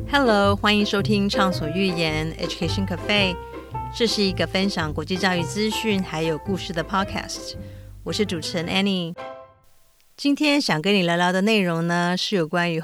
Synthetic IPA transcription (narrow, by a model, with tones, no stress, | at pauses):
hɛ˥˩lo˧˥ʊxwa˥ni˧˥ŋʂo˥t̪ʰi˥ŋʈ͡ʂʰɑ˥˩ŋswɔ˨˩y˥˩jɛ˧˥nɛ̰˥t͡ɕu˨˩kʰe˥ɪʂə˥˩ŋkʰa˨˩fe˥ɪ | ʈ͡ʂɤ˥˧ʂɻ̩˥˩i˧˥ɡə˧fə˥nɕjɑ˨˩ŋkwɔ˧˥t͡ɕi˥˧t͡ɕjɑ˥˧ʊy˥˩t͡sɹ̩˥ɕy˥˩nxa˧˥ɪjo˨˩ʊku˥˧ʂɻ̩˥˩d̪ə˩pʰɑ˥kʰa̰˥˩st̪wɔ˨˩ʂɻ̩˥˩ʈ͡ʂu˨˩ʈ͡ʂʰə˧˥nʔɛ˥ni˥˧ | t͡ɕi˥nt̪ʰjɛ˥nɕjɑ˨˩ŋkə˥ni˨˩la˧˥ɪljɑ˧˥ʊd̪ə˨ne˥˩ɪɻʊ˧˥ŋnə˧ʂɻ̩˥˩jo˨˩ʊkwa˥ny˧˥